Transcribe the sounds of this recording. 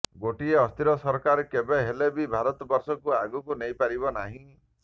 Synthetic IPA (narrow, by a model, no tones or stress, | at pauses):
ɡoʈieɔst̪ʰiɾɔsɔɾkaɾkebeɦelebibʱaɾɔt̪ɔbɔɾsɔkuaɡukunejpaɾibɔnaɦĩ